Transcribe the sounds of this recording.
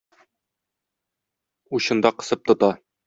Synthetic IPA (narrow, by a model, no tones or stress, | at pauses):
uɕɤ̆nd̪ɑqɤ̆sɤp̚t̪ŏt̪ɑ